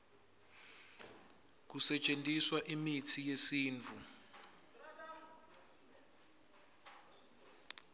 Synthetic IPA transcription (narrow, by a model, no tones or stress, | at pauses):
k̬usɛt͡ʃʼentʼiswaʔimitʰijesiːnt͡fu